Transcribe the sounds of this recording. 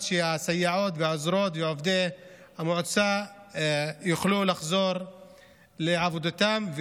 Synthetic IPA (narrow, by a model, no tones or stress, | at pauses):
ʃeasajːaʕo̞t̪veozɾot̪veʕovd̪e | hamoʕt͡sa | juχlulaχzo̞ɾ | leʕavod̪at̪amv